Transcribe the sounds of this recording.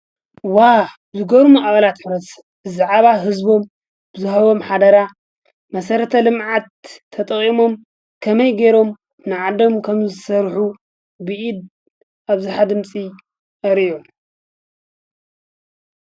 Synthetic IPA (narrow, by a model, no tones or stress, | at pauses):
wa | zɨɡoɾmuʔʼaβalat̪ħɾɐs | bɨzaʕaβaɦɨzbo̞m | bɨzɨɦɐβo̞mħad̪ɐɾa | mɐsɐɾɐt̪ʰɐlɨmʕat̪ʰːɐt̪ʼɐχʼimo̞m | kʰɐmɐjɡeɾo̞m | nɨʕad̪o̞mkʰɐmzzsɐɾħu | bɨʔid̪ | ʔaβzuħad̪ɨmt͡sʼi | ʔɐɾijom